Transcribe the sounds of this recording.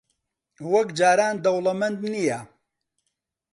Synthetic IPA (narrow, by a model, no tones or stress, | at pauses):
wɐkd͡ʒaːɾaːnd̪ɐwlɐmɐnd̪nija